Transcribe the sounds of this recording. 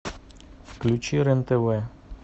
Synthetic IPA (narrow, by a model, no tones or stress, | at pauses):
fklʲut͡ɕiɾɛnt̪ɛwɛ